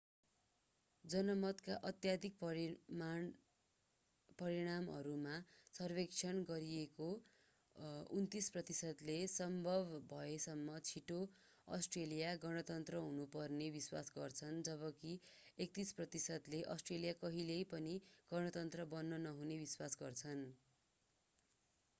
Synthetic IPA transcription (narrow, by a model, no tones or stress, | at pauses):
d͡zʌnʌmʌt̪kaʔʌt̪jad̪ʱik̚pʌma | pʌɾiɽ̃amʌ̰ɾumasʌrbekt͡sʰʌnɡʌɾieko | unt̪isprʌt̪isʌd̪lesʌmbʱʌbbʱʌesʌmːʌt͡sʰiʈo | ʌ̰sʈrelijaɡʌɽ̃ʌt̪ʌnt̪rʌɦunupʌrnebiswa̰sɡʌrt͡sʰʌnd͡zʌβʌkiek̚t̪isprʌt̪isʌd̪leʔʌsʈrelijakʌɦilejpʌniɡ̥ʌɽ̃ʌt̪ʌnt̪rʌbʌnːʌnʌɦunebiswasɡʌrt͡sʰʌn